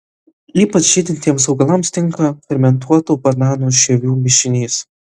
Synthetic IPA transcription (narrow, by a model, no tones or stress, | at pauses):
iːpɐt͡ʃʒʲɪːd̪ʲɪnʲt̪ʲiɛmsɒʊɡɐlˠɐmst̪ʲɪŋkɐfʲɛɾʲmʲɛnt̪̬uɔt̪uːbɐɾnɑːnuːʃʲɛʋʲuːmʲɪʃʲɪnʲiːs